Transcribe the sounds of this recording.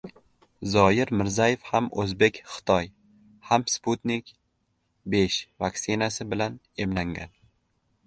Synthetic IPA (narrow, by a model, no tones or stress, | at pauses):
zɒjɪɾmɪɾzajefhamʔɵzbe̞kʲχɪ̥t̪ʰɒj | hamsput̪nikʲ | be̞ʃvaksɪnasɪbɪlan | e̞mlaŋɡʲan